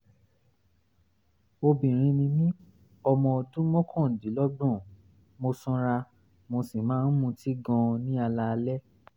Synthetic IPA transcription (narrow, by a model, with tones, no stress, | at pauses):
o˧bĩ˨ɾ̃ĩ˧nĩ˧mĩ˦ | ɔ˧mɔ̃˧dũ˦mɔ̃˦kʰɔ̃˦˨di˨˦lɔ˦ɡ͡bɔ̃˦˨ | mo˧sɔ̃˧ɾa˧ | mo˧si˨mãː˨˦n̩˦mũ˧ti˦ɡɔ̃˧nĩ˦a˧la˧lɛ˦